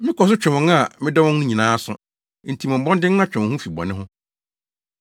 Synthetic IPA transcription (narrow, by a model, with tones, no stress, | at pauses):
mɪ̃˦kʰɔ˨s̬ʊ˦t͡ɕᶣɛ˨wɔ̃˨˦ŋa˦˨mɪ̃˦dɔ˦wɔ̃˦n˦ũ˦ɲĩ˨nãː˨˦sʊ̃˦ | n̩˨tʰi˨mɔ̃˨m̩˨bɔ̃˦ndɪ̃˦n˦nã˦t͡ɕᶣɛ̃˨hũ˦fi˨bɔ̰˨nɪ̃˦ɦʊ̃˦